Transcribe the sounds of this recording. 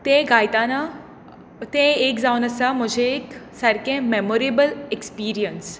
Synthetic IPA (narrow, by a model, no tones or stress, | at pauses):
t̪ẽɡajt̪ana | t̪ẽekd͡zaunəsam̤əd͡ʑʱẽeksəɾkẽmemoɾebəlekspiːɾijəns